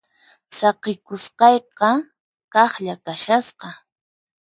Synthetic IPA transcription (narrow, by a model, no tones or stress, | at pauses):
sɑqɪkʊsqɑjqɑ | kɑχʎakaʃasqɑ